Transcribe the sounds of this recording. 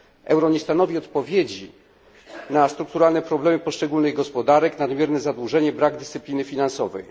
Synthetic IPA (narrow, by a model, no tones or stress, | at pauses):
ʔɛ̰wɾɔɲɛst̪anɔvʲiɔt̪pɔvʲjed͡ʑi | nast̪ɾuk̚t̪uɾalnɛpɾɔblɛmɘpɔʂt͡ʂɛɡulnɘɣɡɔspɔd̪aɾɛknad̪mʲjɛɾnɛzad̪wuʐɛɲɛbɾaɡd̪ɘst̪sɘplʲinɘfʲinansɔvɛ̰j